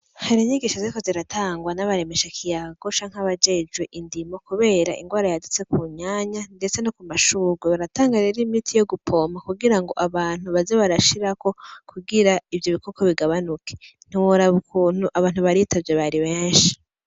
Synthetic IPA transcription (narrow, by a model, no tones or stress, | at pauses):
haɾiɲiɡiːʃazikoziɾatʰaːŋɡwanaβaɾe̞me̞ʃakʰijaɡo̞t͡ʃaːŋ̥aβad͡ʒe̞d͡ʒwe̞ʔindimokuβe̞ːɾa̰ʔḭŋɡwaːɾajadut͡se̞kuɲaːɲande̞t͡senokumaʃuːɡweβaɾataːŋɡaɾeɾimitʰijo̞ɡupʰo̞makuɡiɾaŋɡo̞̰ʔaβaːn̥huβazeβaɾaʃiɾako̞kʰuɡiɾaivjoβikokʰo̞βiɡaβanukʰe̥n̥iwoɾaβukʰuːn̥uʔaβaːn̥huβaɾitabjeβaɾiβeːnʃi̥